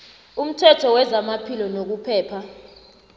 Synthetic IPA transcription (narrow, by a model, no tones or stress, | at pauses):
um̩tʰɛtʰɔwɛzamapʰilɔnok̬upʰɛːpʰa